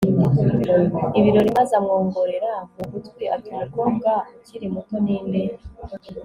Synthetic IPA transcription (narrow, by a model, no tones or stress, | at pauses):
iβiɾo̞ɾimazamŋoːŋɡoɾe̞ɾamuɡutɡwiʔatuɾaɾɡoːbɡaciɾimutoniːnbeɾe